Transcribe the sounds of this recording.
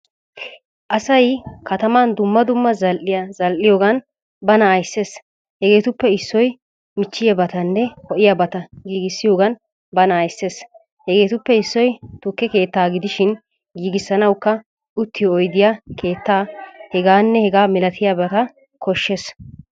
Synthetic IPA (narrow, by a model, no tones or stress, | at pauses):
ʔɐsɐjkɐt̪ɐmaːnd̪ʊmːɐd̪ʊmːɐzɐlʔɪjazɐlʔɪjoːɡɐn | bɐnɐːjsːe̞ːs | hɛɡe̞ːt̪ʊpːɛɪsːɔj | mɪt͡ʃːɪjɐbɐt̪ɐnːɛhɔʔɪjabɐt̪ɐɡiːɡɪsːɪjoːɡɐn | bɐnɐːjsːe̞ːs | hɛɡeːt̪ʊpːɛɪsːɔjt̪ʊkːɛke̞ːt̪ːaːɡɪd̪ɪʃɪn | ɡiːɡɪsːɐnɐwkːɐ | ʊt̪ːɪjɔɔjd̪ɪjakʰe̞ːt̪ːaːhɛɡaːnːɛhɛɡaːmɪlɐt̪ʰɪjabɐt̪ɐ | kʰɔʃːes